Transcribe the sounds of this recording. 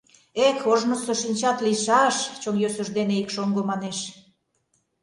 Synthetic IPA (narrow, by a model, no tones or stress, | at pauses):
ekoʒnə̆soʃinʲt͡ɕɑt̪liʃɑʃt͡ɕonjøsə̆ʒd̪eneikʃoŋɡomɑneʃ